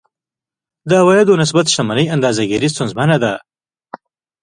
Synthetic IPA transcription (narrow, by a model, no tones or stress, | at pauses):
d̪əawɑjad̪onɪs̬bat̪ʃamanəjand̪ɑzaɡiɾis̬t̪unzmanad̪a